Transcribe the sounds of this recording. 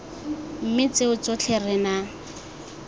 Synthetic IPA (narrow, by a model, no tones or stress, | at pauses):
m̩mɪt͡seʊt͡sot͡ɬʰerɪna